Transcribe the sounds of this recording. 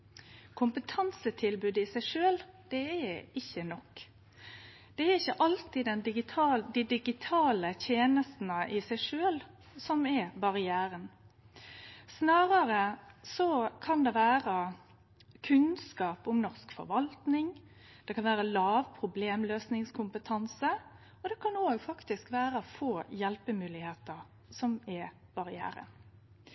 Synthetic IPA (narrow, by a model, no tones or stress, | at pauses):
kʰʊmpət̪ʰɑnsət̪ʰɪlbʉːd̪ɪsæɪʂøːld̪̥ɛæɪçːənɔkː | d̪̥ɛæɾɪçːəʔɑlt̪ɪːɛnɪɡɪɑd̪id̪ɪɡɪt̪ʰɑːlət̪ʰjeːnəst̪n̩əʔɪsæɪʂøːl | sɔmɛbɑʁɪæːɾən | snɑːʁɑɾəsɔkʰɑnd̪ɛʋæːʁə | kʰʉnskɑːpʊmnɔʁskfɔ̰ɾʋɑlt̪nɪŋ | d̪̥ɛkɑnʋæːɾəlɑːʋpʰʁʊbleːmløːsnɪŋskʰʊmpət̪ʰɑnsə | ɔd̪ɛkʰɑnoːɡfɑkt̪ɪskʋæːɾəfoːjɛlpəmʉːlɪheːt̪əʁ | sɔmɛb̥ɑʁɪæ̰ːɾə̰n